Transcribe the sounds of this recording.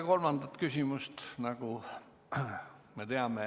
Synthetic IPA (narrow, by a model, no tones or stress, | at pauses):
kolmɑnd̪̥ɑt̪kysʲimust̪nɑku | met̪eɑme